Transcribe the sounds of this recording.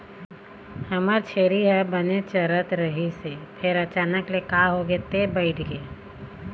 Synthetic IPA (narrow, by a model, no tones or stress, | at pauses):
həməɾt͡ʃʰeːɾiɦɛbənet͡ʃəɾət̪ɾəɦisepʰɪɾət͡ʃaːnəklekaɦoɡet̪ebəɪʈʰɡeː